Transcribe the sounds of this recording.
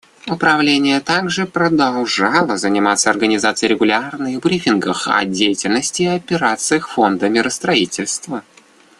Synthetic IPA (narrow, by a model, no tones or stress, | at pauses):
ʊpɾɐvlʲenʲɪjət̪aɡʐɨpɾəd̪ɐlˠʐɑlˠəzənʲɪmat̪səɐrɡənʲɪzat̪sɨjɾʲɪɡʊlʲarnɨɣbɾʲifʲɪnɡəxɐ̰dʲejɪtʲɪlʲnəsʲtʲɪɐpʲɪɾat̪sɨjxfo̞nd̪əmʲɪɾəst̪ɾɐitʲɪlʲst̪və